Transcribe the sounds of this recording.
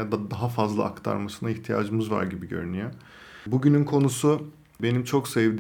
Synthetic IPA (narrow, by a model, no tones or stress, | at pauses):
ad̪ad̪aɦafazlˠa̰ːkt̪ʰa̰ɾmasɯnaiçt̪ʰija̰ːd͡ʒɯmɯzva̰ɾɟibiɟø̞̰ɾynyjo | buɟynynkʰo̞nusu | be̞nimt͡ʃʰo̞ksɛvd̪i